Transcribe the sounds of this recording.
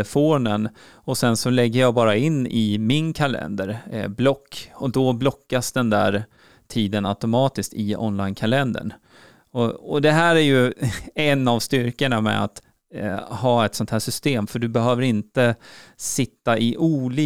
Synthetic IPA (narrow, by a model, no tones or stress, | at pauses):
əfoːnən | ɔsɛnsɔlɛɡːəjɑːbɑːɾaɪnːɪmɪnkʰalɛ̰nd̪əɾblɔkːɔd̪ɔblɔkːasd̪ɛnd̪æ̰ːɾ | t̪ʰiːd̪əna̰ʊt̪ʊmɑːt̪ɪskt̪ɪɔ̰nlajnkʰalɛnd̪ə̰ɳ | ɔɔd̪ɛɦæːɾæɾjɵɛnːavst̪ʏɾkəɳamɛ̰a̰t̪ | hɑːɛt̪sɔnt̪hæːʂʏst̪eːmfœɖɵbɛɦøːvəɾɪnt̪əsɪt̪ːaʔɪʔuːliː